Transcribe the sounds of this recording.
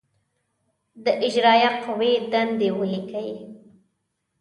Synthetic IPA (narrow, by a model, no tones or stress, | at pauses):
d̪əʔɪd͡ʒɾɑjaqawed̪and̪ewəlikaji